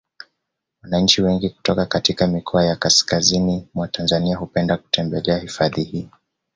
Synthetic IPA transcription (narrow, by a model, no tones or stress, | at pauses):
wanaɲ̩t͡ʃiwɛŋɡiku̥tɔkakatikamikʰɔajakaskazinimwatanzaniaɦupɛndaku̥tɛmbɛlɛahifaðihiː